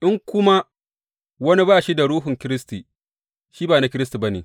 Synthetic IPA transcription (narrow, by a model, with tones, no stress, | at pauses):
ʔɪ˦ŋkʷʊ˦ma˦ | wɐ˦ni˦baː˦˨ʃi˦da˨ɽuː˦ɦʊ˨ŋkʲɪ˦ɾɪ˦stiː˨ | ʃiː˦baː˨na˨kʲɪ˦ɾɪ˦sti˨ba˦neː˨